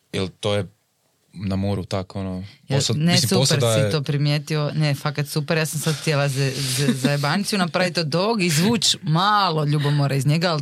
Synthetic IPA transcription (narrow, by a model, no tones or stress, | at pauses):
ilt̪oje | namoɾut̪akonojasnessuspeɾsit̪o̞ːpɾimje̞ːt̪io̞nefakat̪supeɾjaːsamsad̪xt̪ʲjelazɛzzaebanit̪sijunapɾaʋit̪od̪oːɡizʋuːt͡ʃmaːlˠo̞ʎubomoɾaizɲeɡaːl